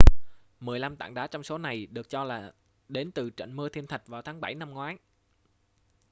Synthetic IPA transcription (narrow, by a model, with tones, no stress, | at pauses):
mɨ˨˩əjla˧mt̪a̰ː˧˨ŋɗaː˨˥t͡ɕɔ˧wŋ͡mso˨˦na˨˩jɗɨ˨˩ək̚t͡ɕɔ˧laː˨˩ | ɗe˨˦nt̪ɨ˨˩t͡ɕə̰˧˨jŋ̟mɨ˧t̪ʰi˧ənt̪ʰə˨˩k̟̚vaː˨˩wt̪ʰaː˨˦ŋɓa˧˩jna˧mŋwaː˨˦j